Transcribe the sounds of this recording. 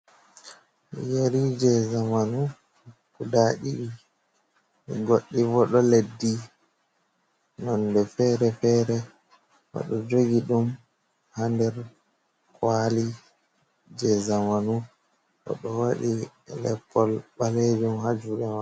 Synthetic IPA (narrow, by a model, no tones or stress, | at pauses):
jeɾid͡ʒɛzamanu | kudaɗiɗi | mḭɡoɗːivɔɗɔledːi | nɔndɛfɛɾɛfɛːɾɛ | wa̰ɗɔd͡ʒoɡiɗum | handɛɾ | kwali | d͡ʒɛzamanu | ʔɔ̰ɗɔwaɗi | lɛ̰pʰːɔlɓaled͡ʒumhad͡ʒuɗɛma